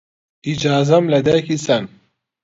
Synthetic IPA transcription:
id͡ʑaːzɐmlɐd̪ɐkisɐn

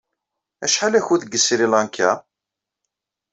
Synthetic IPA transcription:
æ̰ʃħalæçuðəɡːəsɾilɑnkʰːæ

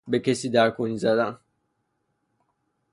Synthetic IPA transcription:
becesiːd̪æɾkʰoniːzæd̪æn

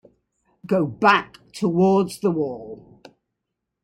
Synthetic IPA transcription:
ɡ̥oʊbaktʰəwɔːdzðəwɔːlˠ

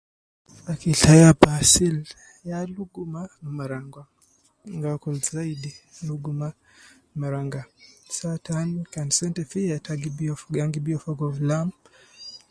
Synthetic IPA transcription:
akiɬajapasil | jaluɡumamaɾaŋɡwa | ŋɡakulzaidiluɡuma | maɾaŋɡasatʰankansɛntɛfiatʰaɡibiɔfɡaŋɡibiɔfɔɡɔvlam

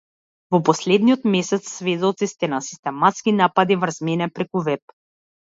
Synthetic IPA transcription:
vɔpɔslɛd̪niɔt̪mɛsɛt̪sːvɛd̪ɔt̪sist̪ɛnasi̥st̪ɛmat̪skinapad̪ivrzmɛnɛpɾɛkuvɛp̚

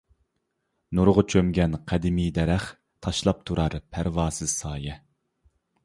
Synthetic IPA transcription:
nuɾʁʊt͡ʃʰømɡʲɛnqʰæd̪ɪmijd̪ɛɾɛχ | t̪ʰɑʃlˠɑp̚t̪ʰuɾɑɾpʰæɾwɑːsɨzsɑːjɛ

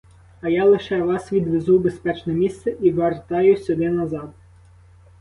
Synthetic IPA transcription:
ɐjɑlˠɪʃɛʋɑsʋʲid̪ʋezuwbespɛt͡ʃnɛmʲist̪sɛʔiʋert̪ɑjʊsʲʊd̪ɪnɐzɑd̪

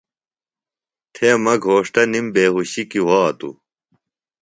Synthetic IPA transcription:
t̪ʰemɐɡʱoːʂʈ̪ɐnimbeːɦuɕikiwaːt̪ṵ

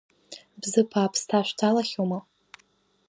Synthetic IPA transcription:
bzɨpʰaːpʰstʰaʃʷᶣtʰalaχʲoma

